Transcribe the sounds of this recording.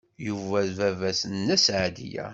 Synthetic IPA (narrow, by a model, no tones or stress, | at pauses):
juvævævæsənːæsʕad̪ḭjæ̰